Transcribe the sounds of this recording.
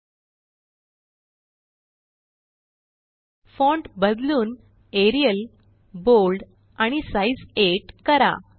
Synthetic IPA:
fɔ̃ɳʈbəd̪luːn | eɾijəl | bolɖ | aɽ̃isaid͡zeʈkəɾa̰

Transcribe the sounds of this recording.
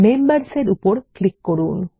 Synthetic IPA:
membəɾseɾupɔɾklikːɔɾun

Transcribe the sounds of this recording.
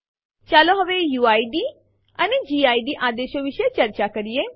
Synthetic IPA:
t͡ʃaːloɦɐʋejuːaːiɖi | ɐned͡ʒiaːiɖiʔaːd̪eːʃoʋɪʃet͡ʃəɾt͡ʃakəɾije

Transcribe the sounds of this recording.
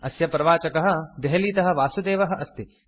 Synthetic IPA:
ɐsjɐpɾɐʋaːt͡ʃɐkɐɦɐ̆d̪eɦɐliːt̪ɐɦɐ̆ʋaːsud̪eːʋɐɦɐ̆ʔɐst̪i

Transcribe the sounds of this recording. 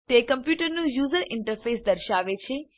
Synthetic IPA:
t̪ekəmpjuʈəɾnũjuzəɾɪɳʈəɾfesd̪əɾʃaʋet͡ʃʰe

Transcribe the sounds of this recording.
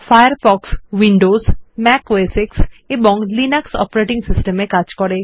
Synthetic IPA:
fʰajəɾfɔkswiɳɖosmɛkeseksebɔ̃ŋlinaksɔ̰pɾeʈiŋsisʈəmekaɾt͡ʃkɔɾe

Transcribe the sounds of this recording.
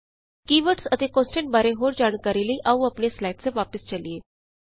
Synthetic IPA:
kiʋəɾʈsət̪ekõsʈeɳʈ̚baɾeɦoːɾd͡ʑaɽ̃kaɾiliːʔauapɳjeslajʈt͡seʋapəst͡ɕalije

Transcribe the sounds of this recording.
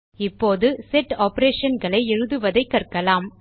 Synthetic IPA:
ɪpːoːðɯsɛʈːaːpɐɾeːʂɐnɡɐɭɐɪɛɻɯðɯʋɐðɐɪkːɐrkɐlaːm

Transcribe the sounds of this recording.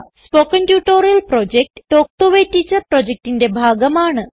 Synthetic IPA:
spoːkɐnʈjuːʈoːɾijɐlpɾoːd͡ʑek̚ʈʈoːk̚ʈoʋetːit͡ɕːɐpɾoːd͡ʑek̚ʈinde̞bʱaːɡɐmaːɳɨ

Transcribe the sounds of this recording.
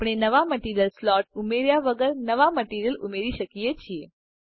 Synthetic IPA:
pɽ̃enəʋaməʈiɾjəlslɔʈ̚umeɾjaʋəɡəɾnəʋaməʈiɾjəlṵmeɾiʃəkijet͡ʃʰie

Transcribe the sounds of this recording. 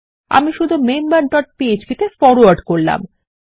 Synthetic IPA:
a̰miʃud̪ʱumembaɾɖɔʈ̚pied͡ʑpit̪efɔɾaɾɖkoɾla̰m

